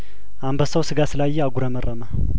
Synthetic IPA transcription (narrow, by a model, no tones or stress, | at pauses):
ʔambəsəwsɨɡasɨlajːɛaɡʷuɾəmərʔəma